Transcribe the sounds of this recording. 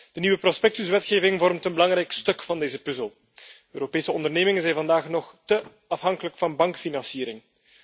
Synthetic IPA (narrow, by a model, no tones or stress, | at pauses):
d̥əniwəprospɛk̚tysʋɛtxeːvɪŋvɔrmtənbəlɑŋɾɛjkstɵkfɑndeːzəpɵzəlˠ | øːɾopeːsəɔndərneːmɪŋənzɛjnvɑndaːxnɔxtə | ɑfɦɑŋkələkfɑnbɑŋkfinɑnsiːɾɪŋ